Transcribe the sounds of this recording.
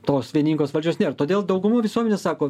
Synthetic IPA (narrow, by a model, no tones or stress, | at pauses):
t̪oːsʋʲiɛnʲiːŋkɡoːsʋɐlʲd͡ʒʲoːsnʲeːɾt̪oːd̪ʲeːlˠd̪ɐʊɡʊmuːʋʲɪsuɔmʲɛnʲeːsɑːkoː